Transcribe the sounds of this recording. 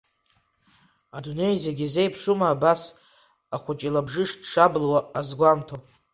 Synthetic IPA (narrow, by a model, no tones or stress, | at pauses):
adune̞jzaɡʲize̞jpʰʂumaːbas | aχʷʊt͡ʃʼilabʐɨʂdʂablwaːzɡʷamtʰo